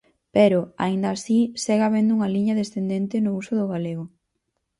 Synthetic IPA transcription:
peɾʊa̰ind̪aːsiseɣaβend̪ʊuŋaliɲɐðesθend̪ent̪ɪnʊusʊðʊɣaleɣʊ

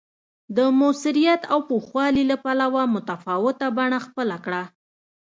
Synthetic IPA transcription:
d̪əmʊsɪɾijat̪awpoxwɑlilapalawamʊt̪afɑwɪt̪abaɳaxpəlakɽa

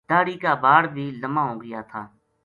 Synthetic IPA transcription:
d̪̥aːɽiːkaːbaːɽbʱiːləmãːɦoːɡəjaːt̪ʰaː

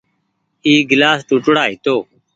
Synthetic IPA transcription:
iːɡlaːst̪ʊʈɽaːɦɪt̪oː

